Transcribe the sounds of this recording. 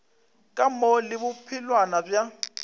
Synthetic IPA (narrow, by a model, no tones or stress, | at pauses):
kʼamɔlɪbʊpʰɪlwanabja